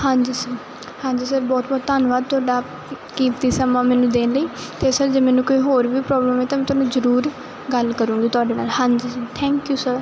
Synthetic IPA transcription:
hãːɲd͡ʒiːsəɾ | hãːɲd͡ʒiːsəɾbɔːt̪̚bɔːt̪t̪ːaːnʋaːd̪̚t̪ʊaːɖaː | kiːt̪iːsəmaːmɛːnũːd̪eːnləiː | t̪eːsəɾd͡ʒeːmɛːnũːkoːiːɦoːɾʋiːpɾɔːbləmeːt̪aːmɛ̃ːt̪ʊaːnũːzəɾuːɾ | ɡəlkəɾũːɡiːt̪ʊaːɖeːnaːlhãːɲd͡ʒiːsət̪ʰɛ̃ːŋkjuːsəɾ

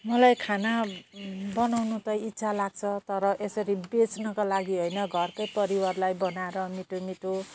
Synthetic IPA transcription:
mʌlajkʰana | bʌnawnut̪ʌjit̪ːsʰalaɡ̚t͡sʰʌt̪ʌɾʌʔesʌɾibet͡snʌkalaɡiɦojnʌɡʱʌrkʌjpʌɾiwarlajbʌnaeɾʌmiʈomiʈo

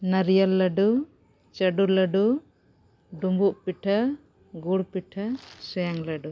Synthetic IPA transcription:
naɾijalːəɖu | t͡ʃəɖuləɖu | ɖumbuʔpiʈʰa | ɡuɽpiʈʰasujaŋlaɖu

